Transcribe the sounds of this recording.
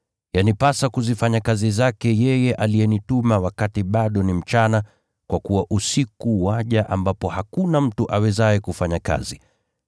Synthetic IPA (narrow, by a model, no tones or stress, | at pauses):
janipasakuzifaɲakazizakɛjɛjɛʔalijɛnitumawakatiɓaɗɔnim̩t͡ʃana | kwʔakuwaʔusikuwaʄaʔambapɔhakunam̩tuʔawɛzaɛkufaɲaka̰zi